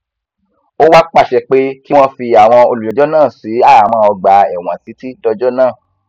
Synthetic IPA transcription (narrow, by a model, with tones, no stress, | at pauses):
o˦wa˦k͡pa˦˨ʃɛ˧k͡pe˦ki˦w̃ɔ̃˦fi˧a˨w̃ɔ̃˧o˧lu˨jɛ˨d͡ʒɔ˦nãː˦˨si˨˦a˦˨mɔ̃˧ɔ˧ɡ͡ba˨˧ɛ˨w̃ã˨si˨˦ti˦tɔ˧d͡ʒɔ˦nãː˦˨